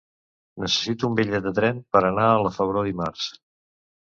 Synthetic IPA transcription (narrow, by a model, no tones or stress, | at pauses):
nəsə̥sit̪uumbeʎɛd̪ət̪ɾɛmpəɾənaələfəβ̞ɾoðimaɾs